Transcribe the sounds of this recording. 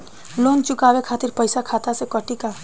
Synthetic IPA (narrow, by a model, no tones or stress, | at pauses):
lont͡ʃʊkabekʰat̪iɾpəjsakʰat̪asekəʈika